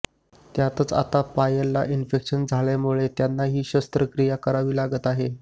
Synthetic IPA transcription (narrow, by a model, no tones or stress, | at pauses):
t̪jat̪ət͡sa̰t̪apajalːa̰ʔinfekɕənd͡zʱaɭamuɭet̪janːaɦiːɕəst̪ɾəkɾijakəɾaʋiːlaɡət̪aɦe